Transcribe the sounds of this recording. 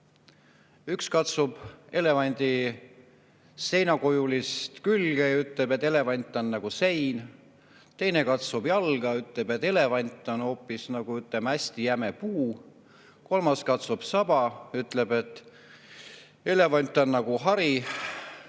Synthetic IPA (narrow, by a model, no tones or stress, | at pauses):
ykskɑt̪sub̥e̞le̞vɑnʲd̪̥i | se̞jnɑkojulist̪kylɡ̥ejɑyt̪ˑlebet̪ːˑe̞le̞vɑnʲt̪ːˑo̞nːɑɡ̥use̞jn | t̪e̞jne̞kɑt̪sub̥jɑlɡ̥ɑyt̪ˑle̞b̥et̪ːˑe̞le̞vɑnʲt̪ːˑo̞no̞ːpːˑisnɑɡ̥uyt̪ˑle̞mæsʲt̪ijæmepuː | ko̞lmɑskɑt̪sub̥sɑb̥ɑyt̪ːˑle̞b̥e̞t̪ˑː | e̞le̞vɑnʲt̪ːˑo̞nːɑɡ̥uɦɑɾi